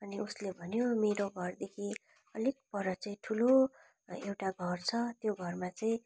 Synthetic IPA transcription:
ʌniuslebʱʌnjomeɾoɡʱʌrd̪ekʰi | ʌlik̚pʌɾʌt͡saĩʈʰulo | ewʈaɡʱʌrt͡sʰʌt̪joɡʱʌrmat͡saĩ

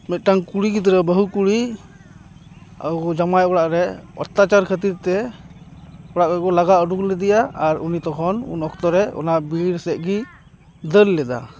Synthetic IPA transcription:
mɛt̪̚ˀʈaŋkuɽiɡit̪ɾəbəɦukuɽi | a̰wd͡ʒamajɔɽaʔɾɛɔ̰ɾt̪at͡ʃaɾkʰət̪iɾt̪ɛ | ɔɽaʔɔkɔlaɡaɔɖuklɛd̪ijaaɾunit̪ɔkʰɔnṵnɔkʰt̪ɔɾɛɔ̰naʔbiɾsɛʔ̪̚ˀɡi | d̪əllɛd̪a̰

